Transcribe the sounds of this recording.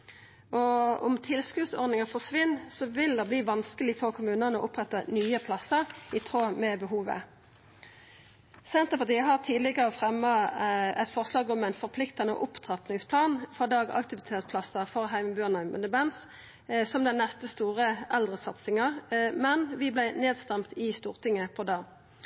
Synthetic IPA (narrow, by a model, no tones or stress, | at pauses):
ʔɔɔmt̪ʰɪlskʉːd̪sɔ̰ʁnɪŋɑfɔʁʂʋɪnːsɔʋɪld̪ɑbliːʋɑnskəlɪfɔʁkʰʊmʉːnənəɔ̰ʔʊpʁɛt̪ːənyːəpʰlɑsəʁɪt̪ʰʁoːmɛbəɦuːʋə̰ | sɛnt̪əpɑʁt̪iːəɦɑʁt̪ʰiːd̪lɪɡəʁəfʁɛmːɑɛt̪fɔʁslɑːɡɔmæɪnfɔʁpʰlɪkt̪ɑnə̰ʔʊpt̪ʰʁɑp̪nɪŋspʰlɑːnfɔd̪ɑːɡɑ̰kt̪ɪʋɪt̪ʰeːt̪spʰlɑsəfɔʁɦæɪməbʉːnæmə̰nəbɛns | sɔmd̪ɛnːɛst̪əst̪uːʁəʔɛld̪ʁəsɑt̪sɪŋɑʁmɛnʋɪblæɪneːd̪st̪ɛmt̪ɪst̪uːʁt̪ʰɪŋəpʰɔd̪ɑː